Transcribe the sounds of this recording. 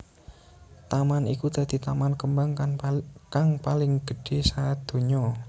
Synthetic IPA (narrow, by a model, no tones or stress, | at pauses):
t̪amanikud̪̥a̤d̪̥i̤t̪amankəmbaŋ | kaŋpalɪŋɡ̥ə̤ɖ̥e̤sad̪̥o̤ɲɔ